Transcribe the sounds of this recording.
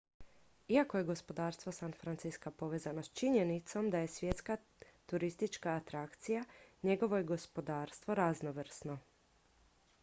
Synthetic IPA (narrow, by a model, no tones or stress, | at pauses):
iako̞je̞ɡo̞spo̞d̪aːɾst̪ʋo̞sanfɾant̪siskapo̞ʋe̞ːzanost͡ʃiɲenit̪so̞md̪aje̞sʋje̞t̪ska | t̪uɾist̪it͡ʃkaːt̪ɾakt̪sijaɲe̞ɡo̞ʋo̞jeɡo̞spo̞d̪aːɾst̪ʋo̞ɾaznoʋr̩sno̞